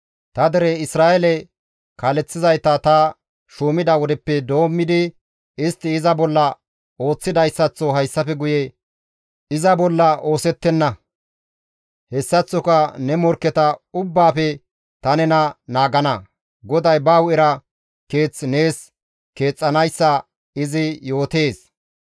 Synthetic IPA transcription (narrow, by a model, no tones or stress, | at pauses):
t̪ɐd̪ɛɾɛɪsɾaːʔɛlɛ | kaːlɛt͡sːɪzɐjt̪ɐt̪ɐ | ʃuːmɪd̪ɐwɔd̪ɛpːɛd̪o̞ːmːɪd̪ɪ | ɪst̪ːɪːzɐbɔlːɐ | o̞ːt͡sːɪd̪ɐjsːɐt͡sːɔɦɐjsːɐfɛɡʊjɛ | ɪzɐbɔlːɐʔo̞ːsɛt̪ːɛnːɐ | hɛsːɐt͡sːɔkɐnɛmɔɾkːɛt̪ɐʊbːaːfɛ | t̪ɐnɛnɐnaːɡɐnɐ | ɡɔd̪ɐjbɐwɛɾɐ | ke̞ːt͡sːne̞ːs | ke̞ːt͡sʼːɐnɐjsːɐ | ɪzɪjo̞ːt̪e̞ːs